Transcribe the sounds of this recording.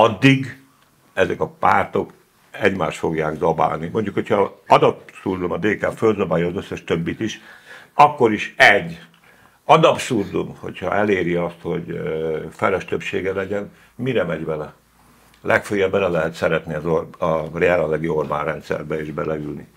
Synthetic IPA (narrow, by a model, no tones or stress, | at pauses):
ɒd̪ːiɡ | ɛzɛkɒpaːrt̪o̞k | ɛɟmaːʃt̪fo̞ɡjaːɡzɒba̰ːlnimo̞ɲɟukho̞cʰhɒɒd̪ɒpsurzomɒd̪eːkaːfølzɒbaːjɒːzøsːɛʃt̪øbːit̪iʃɒkːo̞ɾiʃɛɟː | ɒd̪ɒpsuːrzo̰mho̞̰chɒ̰ɛleːɾiɒst̪ho̞ɟfɛlɛʃt̪øpʃeːɡɛlɛɟɛn | miɾɛmɛɟvɛlɛ | lɛkføːjɛbːɛlɛlɛɦɛt̪sɛɾɛt̪niɒzorɒreɛlɛnlɛɡiorma̰ːnrɛnt̪sɛ̰rbɛeːʒbɛlɛylnḭ